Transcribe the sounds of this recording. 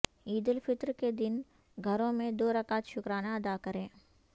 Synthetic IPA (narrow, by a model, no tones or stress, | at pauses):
iːd̪əlfɪt̪ɾked̪ɪn | ɡʱɐɾõmẽd̪oːɾɐkaːt̪ʃʊkɾaːnaɐd̪aːkɐɾẽː